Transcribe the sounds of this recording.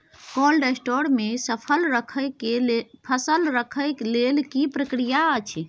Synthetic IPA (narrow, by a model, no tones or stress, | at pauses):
kolɾesʈoɾmesəpʰəlɾəkʰəjkepʰəsəlɾəkʰəjklelkipɾəkɾijaət͡ʃʰ